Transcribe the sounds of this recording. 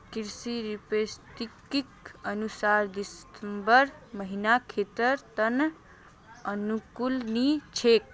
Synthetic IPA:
kiɾsiɾipest̪ikikənusaɾd̪isəmbəɾməɦinakʰet̪əɾt̪ən | ənukulnit͡ʃʰek̚

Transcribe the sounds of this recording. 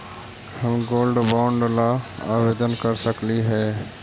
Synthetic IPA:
hɐmɡoːlɖbãʊɳɖlaaːʋeːd̪ənkəɾsəkliɦɛː

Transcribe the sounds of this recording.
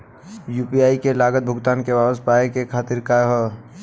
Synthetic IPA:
jupiaːikelaːɡət̪̚bʱʊɡt̪aːnkeʋabəspaekekʰaːt̪ɪɾkaɦɔ

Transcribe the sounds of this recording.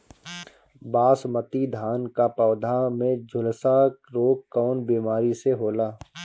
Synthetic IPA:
baːsmət̪id̪ʱaːnkapɔːd̪ʱamẽd͡ʒʱʊlsaɾoːkkːɔːnbiːmaːɾiseɦoːlaː

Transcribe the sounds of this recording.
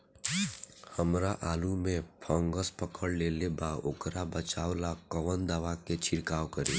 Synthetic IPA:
həmɾaʔaːlumẽpʰə̃ŋɡəspəkəɽleːlebaokɾabət͡ʃaːwlakəʋənd̪aːʋaket͡ʃʰɪɽkaːwkəɾḛː

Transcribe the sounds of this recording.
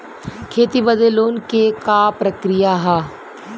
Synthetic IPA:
kʰeːt̪ibəd̪eloːnkekapɾɐkɾijaɦaː

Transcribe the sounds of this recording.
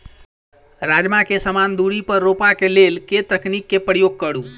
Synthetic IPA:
ɾad͡ʒmãkesəmand̪uɽipəɾːopakelelket̪əknikːepəɾjoɡ̚kəɽũ

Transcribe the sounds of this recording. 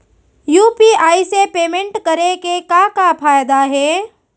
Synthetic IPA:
juːpiaːisepeːmẽɳʈkəɾekekakapʰaːjd̪aɦɛː

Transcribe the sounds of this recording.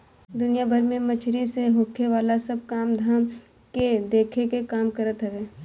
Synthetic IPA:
d̪ʊnijabʱəɾmẽmɐt͡ʃʰɾiseɦoːkʰeʋaːlasɐb̚kaːmd̪ʱaːm | ked̪eːkʰekekaːmkɐɾət̪ɦɛʋeː

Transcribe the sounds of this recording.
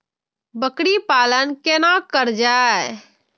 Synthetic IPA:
bəkɽipalənkenakəɾd͡ʒa

